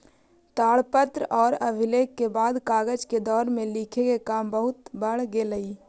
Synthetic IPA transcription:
t̪aːɭpət̪ɾɔːɾəbʱɪleːkːebaːd̪kaːɡəd͡ʒked̪ɔːɾmẽliːkʰekekaːmbəɦʊt̪bəɽɡeːləiː

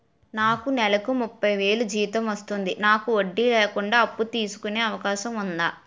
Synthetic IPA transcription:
naːkunɛlɐkumupːɐjʋe̞ːlud͡ʒiːʋit̪ɐmʋɐst̪und̪inaːkuoɖːileːkuɳɖaːɐpːut̪iːsu̥kune̞ːɐʋɐkaːʃɐmund̪aː

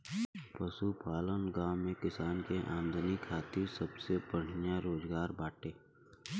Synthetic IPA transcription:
pɐsupaːlənɡaːwmẽkɪsaːnkeʔaːnd̪ʱənikʰːaːt̪ɪɾsɐbsebəɽ̤njaɾoːzɡaːɾbaːʈeː

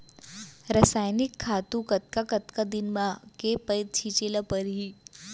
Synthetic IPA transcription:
ɾəsaːjnɪkʰːat̪ũkət̪̚kakət̪kad̪ɪnmãkepəjt̪̚t͡ʃʰit͡ʃelapəɾɦi

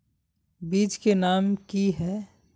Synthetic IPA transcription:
biːd͡ʒkenaːmkiɦɛ

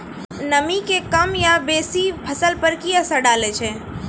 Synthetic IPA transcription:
nəmikekəmjabesipʰəsəlpəɾkiəsəɖaːlet͡ʃʰɛ

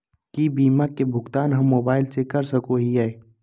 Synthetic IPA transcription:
kibiːmakebʱʊɡt̪aːnɦɐmːoːbaːɪlsekɐɾsəkoɦiae

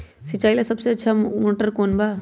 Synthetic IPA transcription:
sɪt͡ʃaːilasɐbseɐtːʃʰamoːʈəɾkoːnbaː

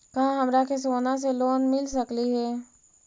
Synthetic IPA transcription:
kɐɦãɦɐmɾakes̬oːnas̬eloːnmɪlsɐkliɦɛː

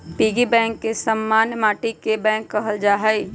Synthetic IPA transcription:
piːɡibɛ̃ːŋkːesəmːaːnjmaːʈikebɛ̃ːŋkːəɦəld͡ʒaːɦai

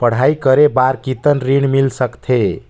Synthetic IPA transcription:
pəɽ̤ajkəɾebaɾkit̪ənɾiɽmilsəkt̪ʰe

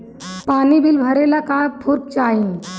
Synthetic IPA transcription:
paːnibʱilbʱəɾelakãpʰuɾk̚t͡ʃaːĩ

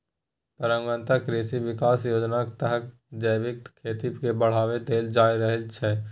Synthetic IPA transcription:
pəɾə̃ŋɡə̃nt̪akɾeːsiʋɪkaːsjoːd͡ʒnakt̪əɦək | d͡ʒəːʋɪk̚t̪kʰːeːt̪ibkebəɽ̤aːʋet̪eːld͡ʒaːiɾəɦɛt͡ʃʰɛ

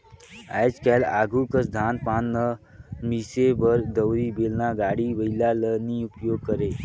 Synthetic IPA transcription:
a̰jd͡ʒkɛla̰ːɡʱukəsd̪ʱaːnpaːnːə | misebəɾd̪əwɾibelnaɡaːɽiʋəilaləniupjoːɡ̚kəɾeː

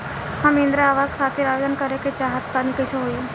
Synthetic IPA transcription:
hamind̪ɾaːʋazkʰat̪iːɾaʋed̪ənkəɾeket͡ɕaɦət̪pañikəsoɦoi

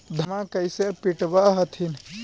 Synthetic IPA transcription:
d̪ʱəmakəjsepiʈbaɦət̪ʰin

